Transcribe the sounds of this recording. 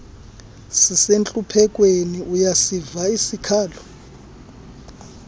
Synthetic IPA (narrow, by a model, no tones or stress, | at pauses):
sisent͡ɬʼupʰɛk̬ʼweniujasivaisikʰaːlɔ